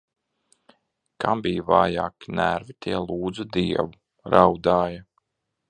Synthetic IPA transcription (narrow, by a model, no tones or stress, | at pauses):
kambijvaːja̰ːkinæɾvit̪ʰiɛlˠuːd̪zud̪iɛvu | ɾawd̪aːja